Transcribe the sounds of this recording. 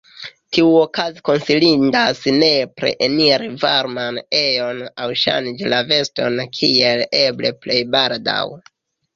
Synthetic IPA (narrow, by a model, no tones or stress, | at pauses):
tiuokaziko̞nsilindasne̞pɾḛʔeniɾivaɾmane̞jo̞nawʃa̰nd͡ʒlave̞sto̞nkʰieleble̞̰ple̞jbalda̰w